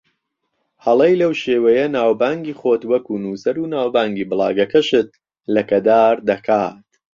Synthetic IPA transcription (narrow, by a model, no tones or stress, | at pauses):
hɐlˠejlɐwʃeːwɐjɐnaːwbaːŋɡiːχoːt̪wɐkuːnuːsɐɾunaːwbaːŋɡiːbɨlˠɑ̰ːɡɐkɐʃɨt̪̚ | lɐkɐd̪aːɾd̪ɐkʰaːt̪̚